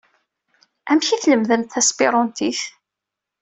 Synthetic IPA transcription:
ʔæmçiθləmðənt̪θæspiɾˤɔnt̪iθ

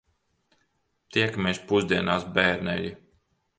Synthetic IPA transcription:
t̪iɛkmʲɛːspuzd̪iɛnaːsbɛːɾnɛ̰ʎi

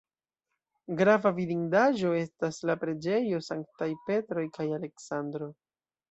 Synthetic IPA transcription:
ɡɾavaviɾiŋdaʒo̞e̞staslapɾe̞d͡ʒe̞jo̞saŋk̚tajpe̞tɾo̞jkajale̞ksandɾo̞

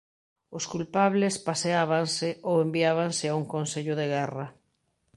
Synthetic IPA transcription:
ʊskulpaβlespaseaβansɪowembiaβansɪauŋkonseʎʊðeɣɛra

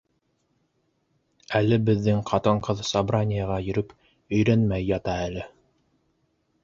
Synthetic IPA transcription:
ælɘbɘ̆ðːɘŋqʰɑt̪ɤɴqɤðsɑbranʲɪjɑʁɑjɵ̆ɾɵp | ɵ̆jɾænmæjːɑt̪ɑælɘ

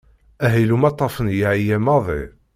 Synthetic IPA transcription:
æɦilumɑt̪ˤːɑfənjaʕijæmɑðˤḭ

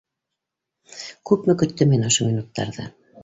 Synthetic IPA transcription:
kʉpmɘkɵ̆t̪ːɘminɤ̆ʃɤminut̪ːɑ̰ɾðɤ̰

